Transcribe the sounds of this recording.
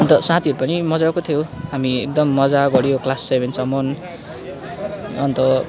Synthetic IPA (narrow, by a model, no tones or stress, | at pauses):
ʌnt̪ʌsãt̪ʰiɦʌɾupʌnimʌd͡zakot̪ʰjoɦamiek̚d̪ʌmːʌd͡zaɡʌɽijoklasːebʱensʌmon | ʌnt̪ʌ